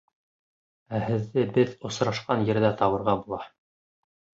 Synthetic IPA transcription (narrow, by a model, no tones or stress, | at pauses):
æhɘ̆ðːɘbɘðŏsɾɑʃqɑnjɘ̆ɾðæt̪ɑβɤ̆ɾʁɑbulˠɑ